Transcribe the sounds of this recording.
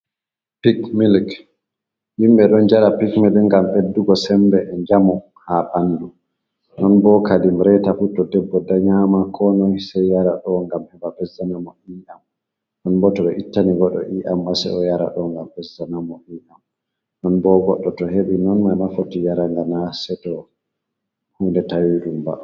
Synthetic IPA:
pikmilk | himɓɛɗɔnd͡ʒaɾapikmilŋɡamʔedːuɡɔsɛmbɛʔɛɲd͡ʒamɔ | haɓandu | nɔnbɔkadimɾɛtafutːɔdɛbːɔdaɲamakʰɔnɔnsɛjjaɾaɗɔŋɡamhɛbabɛzanamɔʔiʔam | nɔnbɔtɔɗɔʔitːaniɡɔɗɔ̰ʔiʔambasɛ̰ɔjaɾa̰ɗɔŋɡambɛzanamɔʔiːʔam | nɔnbɔɡɔɗːɔtɔɦeɓinɔnmanafotijaɾaŋɡanasɛtɔ | hundɛtawiɗumba̰

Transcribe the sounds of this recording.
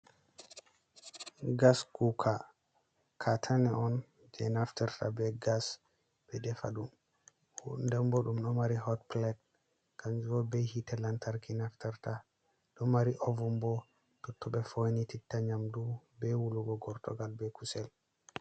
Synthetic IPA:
ɡaskukʰa | kʰatʰanɛɔn | d͡ʒɛnaftɛɾtʰa̰bɛɡas | b̥ɛdɛfaɗum | ndɛmbɔɗumɗɔmaɾihɔtplɛt̚ | kand͡ʒuwɔbɛhitɛlantʰaɾkinaftɛɾta | ɗɔmaɾiʔɔvumbɔ | tɔtːɔbɛfojnititːaɲamdubɛwuluɡɔɡɔɾtɔ̰ɡalbɛkusɛl

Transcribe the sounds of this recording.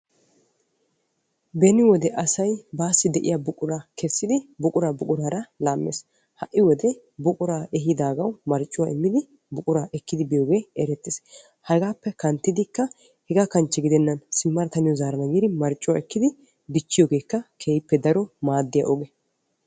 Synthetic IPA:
bɛnɪwɔd̪ɛʔɐsɐjbaːsːɪd̪ɛʔɪ̰jaːbʊkʼʊɾakʰɛsːɪd̪ɪbʊkʼʊɾaːbʊkʼʊɾaːɾɐlaːmːḛːs | hɐʔːɪwɔd̪ɛ | bʊkʼʊɾaːɛɦɪd̪aːɡɐwmɐɾt͡ʃʼːʊwaɪmːɪd̪ɪ | bʊkʼʊɾaːʔɛkːɪd̪ɪbɪjoːɡe̞ːɛɾɛt̪ːɪːs | hɐɡaːpːɛkɐnt̪ːɪd̪ɪkːɐ | hɛɡakɐnt͡ʃːɛɡɪd̪ɛnːɐnsɪmːɐɾt̪ɐnɪjɔzaːɾɐnɐɡiːd̪ɪmɐɾt͡ʃʼːʊwaɛkːɪd̪ɪ | bɪt͡ʃːɪjoːɡe̞ːkːɐkʰeːjɪpːɛd̪ɐɾɔmaːd̪ːɪja̰ʔɔɡɛ

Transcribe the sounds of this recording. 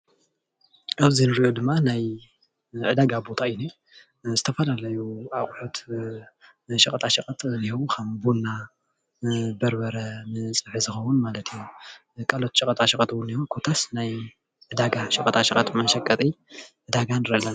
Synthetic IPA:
ʔaβzinɨɾiʔo̞d̪ɨmːanaj | ʕɨd̪aɡabo̞t̪ʰaɨjni | zɨt̪ʰɐfɐlalɐjuaχʼħot̪ | ʃɨkʼɐt̪ʼaʃɐkʼɐt̪ʼnihɐwukʰɐmbonːa | bɐɾbɐɾɐmɨt͡sʼɨħɨzɨxɐwʊnmalɐt̪ʰiju | kʼalo̞t̪ʃʼɨkʼɐt̪ʼaʃɨkʼɐt̪ʰwunihukʰo̞t̪ʰasnaj | ʕɨd̪aɡaʃɨkʼɐt̪ʼʰaʃɐkʼɐt̪mɐʃɐkʼɐt̪ʼi | ʕɨd̪aɡanɨɾɐla

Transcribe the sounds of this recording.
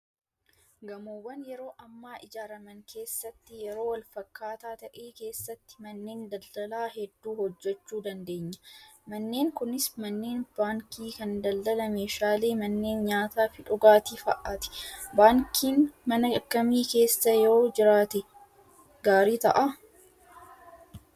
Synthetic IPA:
ɡɐmuːwːɐnjɛɾo̞ːʔɐmːaːʔɪd͡ʒaːɾɐmɐŋkʰe̞ːsːɐt̪ːɪjɛɾo̞ːwɐlfɐkːaːt̪aːt̪ɐʔeːke̞ːsːɐt̪ːɪ̥mɐnːeːnd̪ɐld̪̥ɐlaːhɛd̪ːuːhɔd͡ʒːɛt͡ʃːuːd̪ɐnd̪e̞ːɲːɐ̥mɐnːe̞ːŋkʊnɪsmɐnːe̞ːnb̥aːŋkiːkɐnd̪ɐld̪ɐlɐme̞ːʃaːle̞ːmɐnːe̞ːnɲaːt̪aːfɪᶑʊɡaːt̪iːfɐ̰ʔat̪ɪ̥baːŋkʰiːnmɐnɐɐkːɐmiːke̞ːsːɐjoːd͡ʒɪɾaːt̪ɛ | ɡaːɾiːt̪ɐ̰ʔɐ

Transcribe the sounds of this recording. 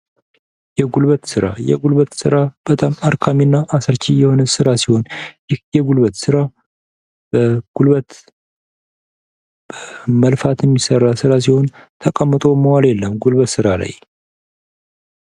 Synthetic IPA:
jɛɡulbət̪sɨɾa̰jɛ̰ɡulβət̪sɨɾab̥ət̪ʼamaɾkʰaminːaʔasəɾt͡ʃʰijɛho̞nəsɨɾasiho̞njɪjɛɡulβət̪sɨɾa | b̥əɡ̥ulβət̪ | b̥əməlfat̪ʰjɛmːisərːasɨɾas̬iho̞nt̪ʰəkʼəmːɨt̪ʼo̞məwaljɛlːəmɡulβət̪sɨɾala̰j

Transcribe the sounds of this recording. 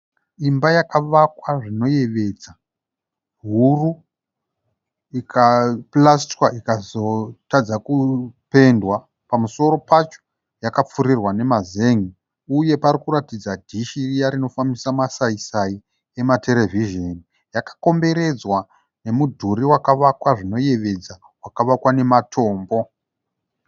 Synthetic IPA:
imbajakaʋakwaʐino̞je̞ʋe̞d͡za | ɦuru | ikʰaplastkwaʔikazo̞tad͡zakupe̞ndwa | pamuso̞ɾo̞pat͡ʃo̥ | jakap͡fuɾirwane̞mazeŋi | uje̞paɾikuɾatid͡zadʱiʃirijaɾino̞famisamasaisai | e̞mate̞le̞viʒeni | jakḁko̞mbe̞ɾe̞d͡zwa | ne̞mudʱuɾiwakaʋakwaʐino̞je̞ʋe̞d͡za | wakaʋakwane̞matʰo̞ːmbo̞

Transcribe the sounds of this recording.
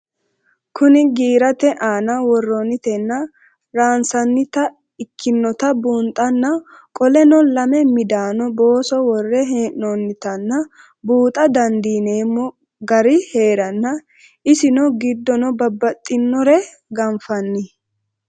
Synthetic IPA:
kʰʊnɪɡiːɾɐt̪ɛʔaːnɐwɔrːɔnːɪt̪ɛnːɐ | ɾaːnsɐnːɪt̪ɐ | ɪkʰːɪnːɔt̪ɐbuːnt̪ʼːɐnːɐ | kʼɔlɛnɔlɐmɛmɪd̪aːnɔbo̞ːsɔwɔrːɛɦeːnɔnːɪt̪ɐnːɐ | buːt̪ʼɐd̪ɐnd̪iːneːmːɔ | ɡɐɾɪhe̞ːɾɐnːɐ | ɪsɪnɔɡɪd̪ːɔnɔbɐbːɐt̪ʼːɪnːɔɾɛ | ɡɐɱfɐnːɪ

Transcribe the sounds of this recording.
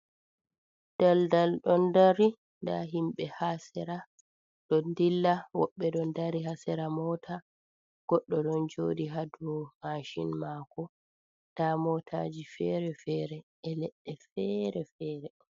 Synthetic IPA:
d̥aldalɗɔndaɾi | nda̰ɦimɓɛhasɛɾa | ɗɔndilːawɔ̰ɓːɛɗɔndaɾiɦasɛɾamɔːtʰa | ɡ̥ɔɗːɔɗɔnd͡ʒoːdiɦaduhaʃinmakɔ | d̥amɔtʰa̰d͡ʒifɛɾɛfɛːɾɛ | ɛlɛɗːɛfɛɾɛfɛːɾɛ

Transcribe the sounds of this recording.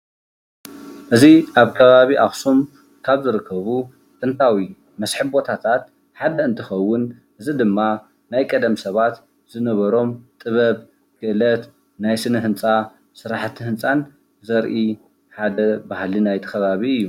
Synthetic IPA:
ʔɨziʔaβkʰɐβaβiʔaxsum | kʰaβzɨɾɨkʰːɐβu | t̪ʼɨnt̪ʰawi | mɐsħɨbbo̞t̪ʰat̪ʰat̪̚ | ħad̪ɐɨnt̪ʰɨxɐwːʊnʔɨzid̪ɨmːa | najkʼɐd̪ɐmsɐβat̪ | z̥ɨnɐβɐɾo̞mt̪ʼɨβɐβ | kʰɨʔɨlɐt̪ | najsɨnɨɦɨnt͡sʼa | sɨɾaħt̪ʰːihɨnt͡sʼan | zɐɾʔi | ħad̪ɐbahlinajt̪ʰɐ̥xɐβaβiɨjːu

